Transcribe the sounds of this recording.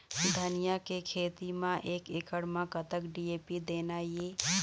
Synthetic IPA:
d̪ʱənɪjakekʰeːt̪imãʔeːkɪkəɽmãkət̪əkɖieːpid̪eːnajeː

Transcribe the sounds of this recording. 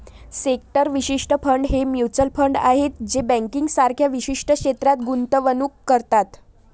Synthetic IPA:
sek̚ʈəɾʋiɕiʂʈəpʰəɳɖɦemjut͡səlpʰəɳɖa̰ɦet̪d͡ʑebə̃ŋkiŋɡsaɾkʰjaʋiɕiʂʈəkɕet̪ɾat̪̚ɡunt̪əʋənuːkːəɾt̪at̪

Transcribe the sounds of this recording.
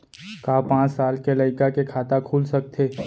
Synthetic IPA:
kaːpãːt͡ʃsaːlkelɐɪkakekʰaːt̪akʰuːlsɐk̚t̪ʰeː

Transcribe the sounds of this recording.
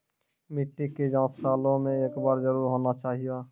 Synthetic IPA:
mɪʈːiked͡ʒãːsaːlõmẽeːkbaːɾzəɾuːɾɦoːnat͡ʃaːɦija

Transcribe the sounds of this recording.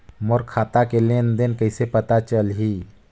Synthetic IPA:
moɾkʰat̪akelend̪enkəjsepət̪at͡ʃəlɦi

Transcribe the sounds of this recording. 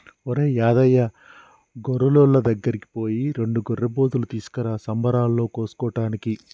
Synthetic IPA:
oɾeːjaːd̪ɐjːɐ | ɡɔɾːɐlolːɐd̪ɐɡːɐɾiki̥po̞ːjiɾe̞ɳɖuɡɔrːɐboːt̪ulut̪iːsu̥kɐɾaːsɐmbɐɾaːlːo̞ːkoːsu̥kɔːʈaːniki

